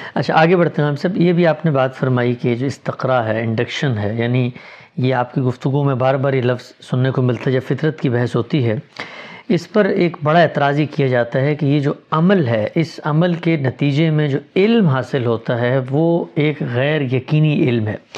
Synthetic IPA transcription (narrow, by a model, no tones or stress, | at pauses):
ɐtːʃʰaaːɡebɐɽ̤t̪ẽɦaːmsɐbjebʱiaːpnebaːt̪fɐɾmaːikejed͡ʒoːɪst̪ɪqɾaːɾɦɛɪ̃ɳɖɪkʃənɦɛːjaːni | jeaːpkiɡʊft̪ʊɡũmẽbaːɾbaːɾjelɐfz̥sʊnːekomɪlt̪aɦɛd͡ʒɐbfɪt̪ɾət̪kibɛɦɛsɦoːt̪iɦɛ | ɪspɐɾeːkbɐɽaeːt̪ɾaːzikijad͡ʒaːt̪aɦɛkijed͡ʒoːɐməlɦɛʔɪsɐməlkenɐt̪iːd͡ʒemẽd͡ʒoːɪlmɦaːsɪlɦoːt̪aɦɛʋoeːkɣɛːɾjɐqiːniʔɪlmɦɛ̰ː